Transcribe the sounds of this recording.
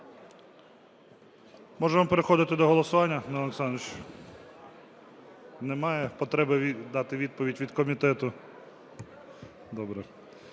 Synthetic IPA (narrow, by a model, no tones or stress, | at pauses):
mɔʒɛʋɐmpeɾexɔd̪ɪt̪ɪd̪ɔɦɔlˠɔsʊʋɑnʲːɐnɛɔlˠeksɑnt͡ʃ | nɛmɑjɛpɔt̪ɾɛbɪd̪ɑt̪ɪʋʲid̪̚pɔʋʲidʲʋʲid̪kɔmʲit̪ɛt̪ʊ | d̪ɔbɾɛ